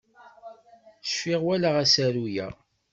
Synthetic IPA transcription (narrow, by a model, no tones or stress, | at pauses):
əʃfiʁwælaʁæsæɾujæ̰